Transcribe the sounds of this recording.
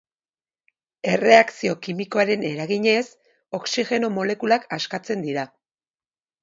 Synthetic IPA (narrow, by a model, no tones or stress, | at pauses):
e̞re̞aksio̞kimiko̞aɾe̞ne̞ɾaɣiɲe̞s | o̞ksiɣe̞no̞mo̞le̞kulakaskat͡se̞nd̪iɾa